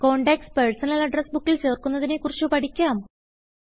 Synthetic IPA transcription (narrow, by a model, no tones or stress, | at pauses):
ko̞ːɳɖekspersɐnɐlɐɖresbukːilt͡ɕe̞ːrkunːɐðinekurit͡ɕːupɐʈʰikʲːaːm